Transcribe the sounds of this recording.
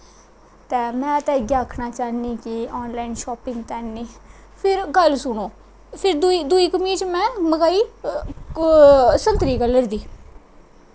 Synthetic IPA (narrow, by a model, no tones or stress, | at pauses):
t̪ɛːmɛ̃ːt̪ɛ̃ːɪɡaːkʰːnaːt͡ʃaːniːkɪɔːnlaːinʃɔːpɪ̃ŋɡt̪ɛːniː | pʰɪɾɡəlsʊɳoː | pʰɪɾd̪id̪uiːkəmĩːt͡ʃmɛ̃ːməɡaːiː | sənt̪ɾiːkəlːəɾd̪iː